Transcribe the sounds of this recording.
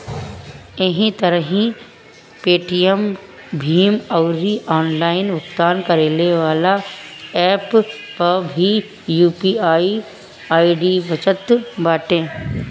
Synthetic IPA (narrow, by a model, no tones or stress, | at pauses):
eɦĩt̪ɐɾəɦĩ | peːʈijəm | bʱiːmɔʊɾiʔɔːnlaːɪnʋʊkt̪aːnkɐɾeːleʋaːlaɛːppɐɾbʱi | juːpiaːi | aːiɖibət͡ʃət̪baːʈẽː